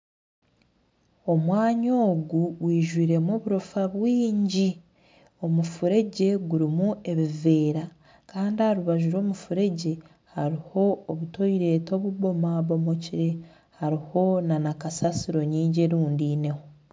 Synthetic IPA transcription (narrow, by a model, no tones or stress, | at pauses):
o̞mwaːɲoːɡuwiːʒwiːɾe̞moːβuɾofaβwiːɲɟi | o̞mufuɾe̞ɟe̞ɡuɾimue̞βive̞ːɾa | kaːndihaɾuβaʒuɾo̞ːmufuɾe̞ɟe̞ | haɾiho̞ːβuto̞iɾe̞ːto̞βuβo̞maβo̞mo̞ciɾe̞ | haɾiho̞nanakasasiɾo̞ɲiːɲɟe̞ɾuːndiːne̞ho